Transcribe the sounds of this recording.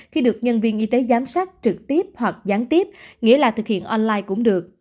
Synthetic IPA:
xi˧ɗɨ˨˩ək̚ɲə˧nvi˧ənʔi˧t̪e˨˦zaː˨˦msaː˦˥k̚t͡ɕɨ˨˩k̚t̪i˦˥əp̚hwa˨˩k̚zaː˨˦nt̪i˦˥əp̚ŋḭ˧˥əlaː˨˩t̪ʰɨ˨˩k̚hḭ˧˨ənʔɔ˧nlaː˧jkʊ̰˧˥ŋ͡mɗɨ˨˩ək̚

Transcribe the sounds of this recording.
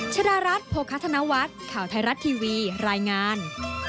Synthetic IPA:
t͡ɕʰa˧daː˧ɾa˦˥t̪̚pʰoː˧kʰa˦˥t̪ʰːa˧na˦˥wa˦˥t̪̚kʰaː˨˩wt̪ʰa˧jɾa˦˥t̪ʰːiː˧wiː˧ɾaː˧jŋaː˧n

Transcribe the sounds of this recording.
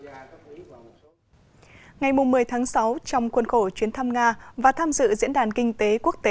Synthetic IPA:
ŋa˨˩jmʊ˨˩ŋ͡mːɨ˨˩əjt̪ʰaː˨˦ŋsa˨˦wt͡ɕɔ˧wŋ͡mxwə˧nxo˧˩t͡ɕwi˨˦ənt̪ʰa˧mŋaː˧vaː˨˩t̪ʰaː˧mzɨ̰˧˨zḭ˧˥ənɗaː˨˩nkï˧ŋ̟t̪e˨˦ku˦˥ək̚t̪e˨˦

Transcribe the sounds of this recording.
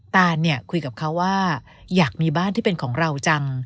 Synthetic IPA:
t̪aː˧nːi˥˩ɐkʰu˧jka˨˩p̚kʰa˦˥wːaː˥˩ | jaː˨˩k̚miː˧baː˥˩nt̪i˥˩pe˧nkʰɔː˩˦ŋɾa˧wt͡ɕa˧ŋ

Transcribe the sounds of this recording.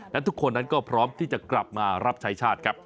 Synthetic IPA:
lɛ˦˥t̪ʰu˦˥kʰːo˧nːa˦˥nkɔː˥˩pʰɾɔː˦˥mt̪ʰiː˥˩t͡ɕa˨˩kla˨˩p̚maː˧ɾa˦˥p̚t͡ɕʰa˦˥jt͡ɕʰaː˥˩t̪̚kʰɾa˦˥p̚

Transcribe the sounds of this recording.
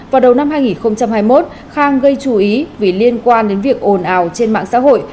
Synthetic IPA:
vaː˨˩wɗə˨˩wna˧mɦaː˧jŋi˨˩nxə˧wŋ͡mt͡ɕa˧mhaː˧jmo˦˥t̚ | xaː˧ŋɣə˧jt͡ɕu˨˩ʔi˨˦vi˨˩li˧ənkwaː˧nɗe˨˦nvi˨˩ək̚ʔo˨˩nʔaː˨˩wt͡ɕe˧nma̰ː˧˨ŋsa̰ː˧˥ɦo̰˧˨j

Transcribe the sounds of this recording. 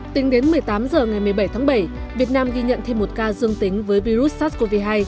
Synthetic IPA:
t̪ï˨˦ŋɗe˨˦nmɨ˨˩əjt̪aː˨˦mzəː˨˩ŋa˨˩jmɨ˨˩əjɓə˧˩jt̪ʰaː˨˦ŋɓə˧˩j | vi˨˩ət̚naː˧mɣi˧ɲə̰˧˨nt̪ʰe˧mːo˨˩t̚kaː˧zɨ˧əŋt̪ï˨˦ŋ̟vəː˨˦jvi˧zu˦˥t̚sa˦˥t̚ko˧vi˧ɦaː˧j

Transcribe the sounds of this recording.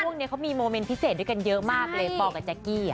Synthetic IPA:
u˥˩əŋni˦˥ɐkʰa˦˥wmiː˧moː˧me˧˥npʰi˦˥seː˨˩dka˧njɤ˦˥ʔmaː˥˩k̚lɤː˧jpɔː˧˩kːa˧˩t͡ɕa˨˩kiː˥˩

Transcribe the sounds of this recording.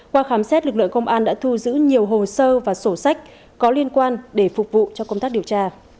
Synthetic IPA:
kwaː˧xaː˨˦msɛ˦˥t̚lɨ˨˩k̚lɨ̰˧˨əŋkə˧wŋ͡mʔaː˧nɗa̰ː˧˥t̪ʰu˧zɨ̰˧˥ɲi˨˩əwɦo˨˩səː˧vaː˨˩so˧˩sa˦˥jk̟̚ | kɔ˨˦li˧ənkwaː˧nɗe˧˩fʊ˨˩k͡p̚vṵ˧˨t͡ɕɔ˧kə˧wŋ͡mt̪aː˦˥k̚ɗi˨˩əwt͡ɕaː˧

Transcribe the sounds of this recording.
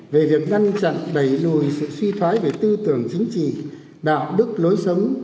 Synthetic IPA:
ve˨˩vi˨˩ək̚ŋa˧ŋt͡ɕa̰˧˨nɓə˧˩jlṵ˧˨jsɨ̰˧˨swi˧t̪ʰwaː˨˦jve˨˩t̪ɨ˧t̪ɨ˨˧˩əŋt͡ɕï˨˦ŋ̟t͡ɕḭ˧˨ | ɗa̰ː˧˨wɗɨ˦˥k̚lo˨˦jsə˨˦wŋ͡m

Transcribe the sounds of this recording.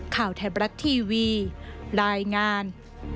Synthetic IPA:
kʰaː˨˩˦wt̪ʰɛː˨˩˦bɾa˦˥t̪ʰːiː˧wiː˧ɾaː˧jŋaː˧n

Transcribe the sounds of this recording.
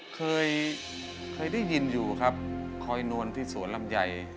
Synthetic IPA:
kʰɤː˧j | kʰɤː˧jda˥˩jːi˧njuː˨˩kʰa˦˥p̚kʰɔː˧jnu˧ənt̪ʰiː˧˥˩su˨˩˦ənla˧˩mja˨˩j

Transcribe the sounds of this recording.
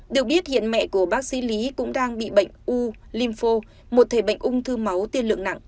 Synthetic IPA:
ɗɨ˨˩ək̚ɓi˦˥ət̚hḭ˧˨ənmɛ̰˧˨ku˧˩əɓaː˦˥k̚sḭ˧˥li˨˦kʊ̰˧˥ŋ͡mɗaː˧ŋɓḭ˧˨ɓə̰˧˨jŋ̟ʔu˧ | li˧mfo˧ | mo˨˩t̚t̪ʰe˨˩ɓə̰˧˨jŋ̟ʔʊ˧ŋ͡mt̪ʰɨ˧ma˨˦wt̪i˧ənlɨ̰˧˨əŋna̰˧˨ŋʔ

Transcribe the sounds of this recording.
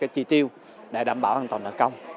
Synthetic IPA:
kaː˨˦jt͡ɕi˧t̪i˧əw | ɗḛ˧˦ɗaː˧˩mɓaː˧˩ʔaː˧nt̪wə˨˩nʔəː˧˦kə˧wŋ͡m

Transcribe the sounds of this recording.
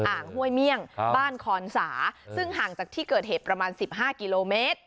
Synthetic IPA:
ʔaː˨˩ŋhu˥˩əjmi˥˩əŋbaː˥˩nkʰɔː˧nsaː˩˦sɯ˥˩ŋɦaː˨˩ŋt͡ɕaː˨˩k̚t̪ʰiː˥˩kɤː˨˩heː˨˩t̪̚pɾa˧maː˧nsi˨˩p̚ɦaː˥˩ki˧loː˧meː˦˥t̪̚

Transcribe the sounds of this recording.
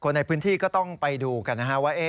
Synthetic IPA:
kʰo˧nːa˧jpʰɯː˦˥nt̪ʰiː˥˩kɔː˥˩t̪ɔ˥˩ŋpa˧jduː˧ka˧nːa˦˥kʰa˦˥waː˥˩ʔeː˦˥˩

